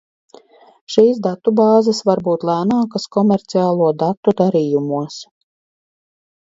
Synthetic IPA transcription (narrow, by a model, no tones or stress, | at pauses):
ʃiːsd̪at̪ːubɑːzasvaɾbuːt̪lˠæːnaːkaskɔmɛɾt̪siaːlˠuɔd̪at̪ːud̪aɾiːjumuɔs